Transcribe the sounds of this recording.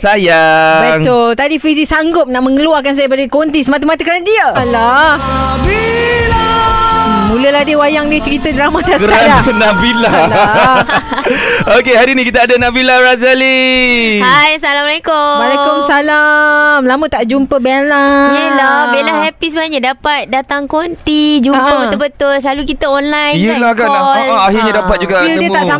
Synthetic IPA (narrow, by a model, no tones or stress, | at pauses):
sajabɛŋt̪ot̪adifizisaŋɡʊp̚naʔmə̃ŋəluarkans̬ajabadəkont̪isəmat̪əmat̪əkəɾanadiəala | be | muləlahdiəwajaŋdiət͡ʃəɾit̪adəɾamat̪askəɾajanabilal | okeɦaɾinikit̪aːdanabilaɾazalihajsalamalekʊwalekʊmsalamlamət̪aʔd͡ʒumpəbɛlajəlabelahhɛpisəbanaɲadapat̪̚dat̪aŋkont̪id͡ʒuampəut̪əbət̪ʊlslalukit̪aɔnlajjlakaaɦirɲadapat̪̚d͡ʒuɡaʔilədiət̪asa